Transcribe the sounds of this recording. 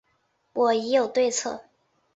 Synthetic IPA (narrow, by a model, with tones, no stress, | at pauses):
wʔɔ˨˩i˧˥jo˨˩ʊt̪we˥˧ɪt͡sʰɤ̰˥˩